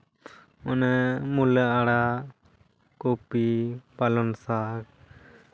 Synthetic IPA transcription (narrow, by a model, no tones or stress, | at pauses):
ɔnɛmuləaɽa | kopipalɔnsak̚